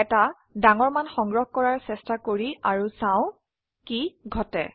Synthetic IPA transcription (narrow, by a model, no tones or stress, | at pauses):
ɛta | daŋɔɹmanxɔŋɡɹɔxkɔɹaɹsɛstakoɹiaɹusãʊ̃ | kiɡʱɔtɛ̰